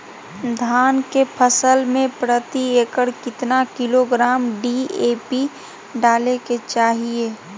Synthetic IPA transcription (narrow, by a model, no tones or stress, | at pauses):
d̪ʱaːnkepʰəsəlmẽpɾət̪ieːkəɽkɪt̪nakɪloɡɾaːmɖieːpi | ɖaːleket͡ʃaːɦie